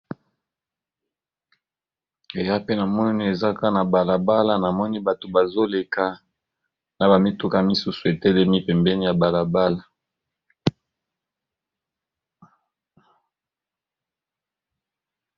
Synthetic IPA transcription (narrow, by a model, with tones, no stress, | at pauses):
e˨ja˦pe˦na˨mɔ˦ni˦ni˦e˨za˦ka˦na˨ba˨la˨ba˦la˦na˨mɔ˦ni˦ba˨to˨ba˨zo˦le˨ka˦ | na˨ba˨mi˦tu˦ka˦mi˦su˦su˨e˨tɛ˦lɛ˦mi˦pɛ˨mbɛ˦ni˦ja˨ba˨la˨ba˦la˨